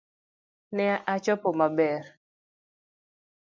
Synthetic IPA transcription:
nɛaʔat͡ʃɔpɔmabɛr

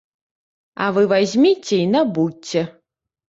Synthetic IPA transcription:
avɨvazʲmʲit͡sʲeinabut͡sʲːɛ

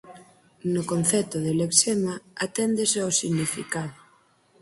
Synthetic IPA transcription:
nʊkon̟θɛt̪ʊðeleksemaat̪ɛnd̪eseawsiɣnifikaðʊ

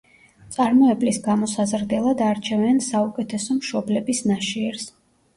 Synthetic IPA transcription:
t̪sʼaɾmɔɛblisɡamɔsazɾd̪ɛlˠad̪aɾt͡ʃʰɛvɛnsaukʼɛt̪ʰɛsɔmʃɔblɛbisnaʃiɛɾs

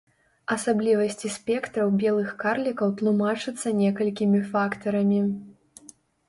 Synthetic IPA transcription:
ɐsablʲivɐsʲt͡sʲisʲpʲɛkt̪ɾɐwbʲɛlˠɨxkarlʲikɐwt̪lˠumat͡ʂɨt̪sːɐnʲɛkɐlʲkʲimʲifakt̪ɐɾɐmʲi

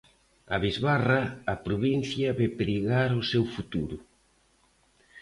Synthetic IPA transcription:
aβizβaraːpɾoβin̟θjɐβepɾiɣaɾʊsewfut̪uɾʊ

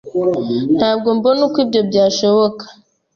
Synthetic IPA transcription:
naɡombonukʷibobjaʃewokḁ

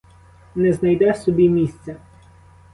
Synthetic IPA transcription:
nɛznɐjd̪ɛsɔbʲimʲisʲt̪t͡sʲɛ

